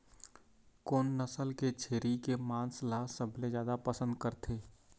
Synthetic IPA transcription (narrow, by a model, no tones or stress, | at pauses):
koːnːəsəlket͡ʃʰeːɾikemãːnslasəbʱlezjaːd̪apəsə̃nd̪kəɾt̪ʰeː